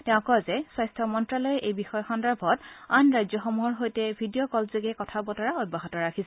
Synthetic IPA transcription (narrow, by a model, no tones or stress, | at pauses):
tɛʊ̃kɔzɛswajstʰɔmɔntɹalɔjɛʔejbixɔjxɔndaɹbʱɔtanɹajzjɔxomuɦɔɹɦojtɛbʱidiɔkɔlzoɡɛkɔtʰabɔtɔɹaod̚baɦɔtɔɹakʰisɛ